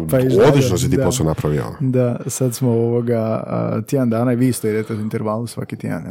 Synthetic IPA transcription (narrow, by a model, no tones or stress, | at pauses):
paizod̪lˠiʃnos̬it̪iːd̪aposanapɾaʋjɛ̰o̰d̪asad̪smooʋoɡa̰t̪ʲjed̪and̪aːnaiʋist̪eid̪et̪euint̪eɾʋalusʋa̰kit̪ʲjḛd̪a̰nj